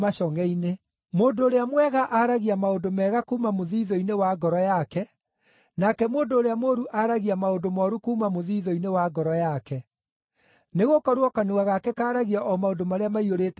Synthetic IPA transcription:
maʃɔŋɛine | moːndoːɾeamwɛɣaʔaɾaɣiamaondomɛːɣakuːmamoðiːðɔinewaɡɔɾɔjakɛ | nakɛmoːndoːɾeamoɾuʔaɾaɣiamaondomɔːɾukuːmamoðiːðɔinewaɡɔɾɔjakɛ | neɣokɔɾwɔkanuɣaɣakɛkaːɾaɣiaʔɔmaodomaɾeamaioɾeːt

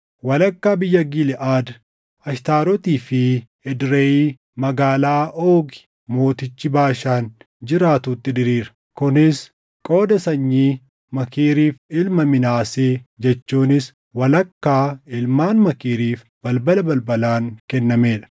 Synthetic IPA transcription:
wɐlɐkːaːbɪjːɐɡɪlɪʔaːd̪ | ɐʃt̪aːɾɔt̪iːfɪ | ɛd̪ɾeːiː | mɐɡaːlaːʔoːɡɪ̥ | mo̞ːt̪ɪt͡ʃːɪbaːʃaːn | d͡ʒɪɾaːt̪uːt̪ːɪd̪ɪɾiːɾɐ̥ | kʊnɪs | kʼo̞ːd̪ɐsɐɲːiː | mɐkiːɾiːfɪlmɐmɪnaːseːd͡ʒɛt͡ʃːuːnɪs | wɐlɐkːaːɪlmaːnmɐkiːɾiːf | b̥ɐlbɐlɐbɐlbɐlaːŋkɛnːɐme̞ːᶑɐ̥

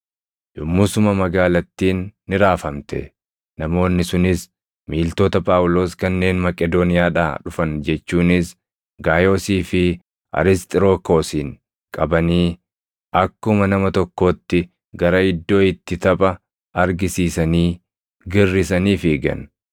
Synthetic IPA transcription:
jʊmːʊsʊmɐmɐɡaːlɐt̪ːiːnːɪɾaːfɐmt̪ɛ̰ | nɐmo̞ːnːɪsʊnɪs | miːlt̪o̞ːt̪ɐpʼaːʔʊlo̞ːskɐnːe̞ːnmɐkʼɛd̪oːnɪjaːᶑa̰ːᶑʊfɐnd͡ʒɛt͡ʃːuːnɪs | ɡaːjo̞ːsiːfɪ | ʔɐ̰ɾɪst̪ʼɪɾo̞ːko̞ːsiːŋ | kʼɐbɐniː | ʔɐkːʊmɐnɐmɐt̪ɔkːo̞ːt̪ːɪ | ɡɐɾɐɪd̪ːo̞ːɪt̪ːɪt̪ɐpʼɐ | ɐɾɡɪsiːsɐniː | ɡɪrːɪsɐniːfɪɡɐ̰n

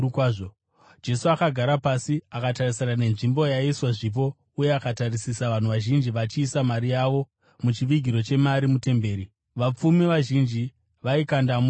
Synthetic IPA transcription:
kwaʐo | d͡ʒe̞suakaɡʱaɾapasiakatarisanane̞nʐimbo̞jaiswaʐip̬o̞ | uje̞akatarisisaʋan̤uʋaʒind͡ʒiʋat͡ʃiːsamaɾijaʋo̞ | mut͡ʃiʋiɡʱiɾo̞t͡ʃe̞maɾimute̞mbe̞ːɾi | ʋap͡fumiʋaʒind͡ʒi | ʋaikandam

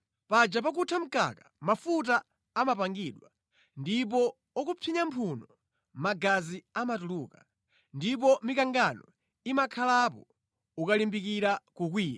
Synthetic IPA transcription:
pad͡ʒap̬ak̬utʰam̩ka̰kḁmafut̬aː | mapaŋɡiɗwa | ndip̬ɔ | ɔkupʰiɲampʰunɔ | maɡaziamatuluːka | ndip̬ɔmikaŋɡanɔ | imakʰalap̬ɔ | ukalimbikiɾakuk̬wiːja

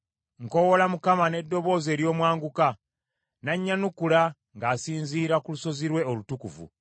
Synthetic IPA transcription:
ŋko̞wo̞lamukamane̞dːo̞βo̞ːze̞ːɾjo̞ːmwaːŋɡuka | naɲːanukula | ŋɡaːsiːnziːɾakuluso̞ziɾwe̞olutukṵvṵ

